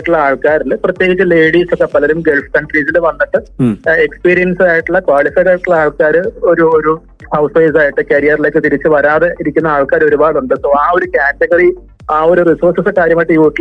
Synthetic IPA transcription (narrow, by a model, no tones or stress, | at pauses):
ʈːuɭːɐaːɭkaːɾilɨprɐt̪ːjeɡit͡ɕːɨle̞ːɽiːsokːepːɐlɐɾumɡe̞lfkɐɳɖriːsilɨʋɐnːiʈːɨe̞kspiːɾijɐnsaːjiʈːuɭːɐkwaːɭifɐjðaːjiʈːuɭːɐaːɭkaːɾɨoɾuoɾu | hɐwsʋɐjsaːjiʈːɨkɐɾijɐrile̞ːk̬ːɨt̪iɾit͡ɕːɨʋɐɾaːðeiɾikʲːunːɐaːɭkaːɾo̞ɾubaːɽuɳɖɨsoːaːo̞ɾukʲaːteɡɐri | aːo̞ɾurisoːrsɐsɨkaːɾjɐmaːjiʈːɨjuːʈːil